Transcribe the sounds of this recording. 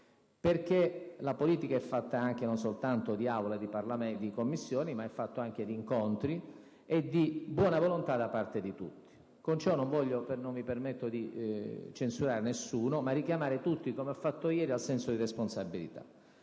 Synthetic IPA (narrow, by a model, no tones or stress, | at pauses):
perk̟elapoliːt̪ikaɛfːat̪ːaaŋk̟enons̬olt̪ant̪od̪iawlad̪iparlamed̪ikomːisːjoːnimaɛfːat̪ːoaŋk̟ed̪iːŋkont̪ɾi | ed̪ibwɔːnavolont̪ad̪apart̪ed̪it̪ṵt̪ːi̥ | kont͡ʃɔnːoɱvɔʎːopenonvipermet̪ːod̪it͡ʃensuɾaːɾenesːuːnomarːikjamaːɾet̪ut̪ːikomeafːat̪ːojɛːɾialsɛnsod̪iresponsabːilḭt̪a̰